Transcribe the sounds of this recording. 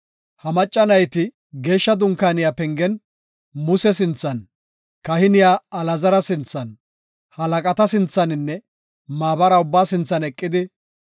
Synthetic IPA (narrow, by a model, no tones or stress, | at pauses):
hɐmɐt͡ʃʼːɐnɐjt̪ɪ | ɡe̞ːʃːɐd̪ʊŋkaːnɪjapɛŋɡɛn | mʊsɛs̬ɪnt͡sːɐn | kɐhɪnɪjaːɐlɐzɐɾɐsɪnt͡sːɐn | hɐlɐkʼɐt̪ɐsɪnt͡sːɐnɪnːɛ | maːbɐɾɐʊbːaːsɪnt͡sːɐnɛkʼːɪd̪ɪ